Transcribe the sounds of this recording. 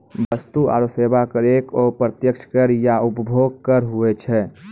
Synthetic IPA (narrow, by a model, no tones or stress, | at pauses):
bəst̪ua̰ːɾoseːbakəɾeːkoːpɾət̪jəkt͡ʃʰə̥kəɾjaʊpəbʱoːɡ̚kəɾɦuet͡ʃʰɛː